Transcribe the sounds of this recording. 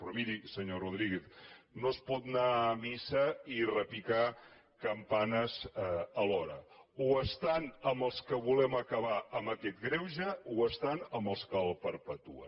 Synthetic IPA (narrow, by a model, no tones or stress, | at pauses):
pɾɔmiɾisəɲoruðɾiɣeθnospɔt̪̚namisəirəpika | kəmpanəzəlɔɾə̰uəst̪anəmbəlˠskəβulɛməkəβaəmbəkɛt̪ɡɾɛwʒəuəst̪anəməlˠskəlˠpəɾpət̪uə̰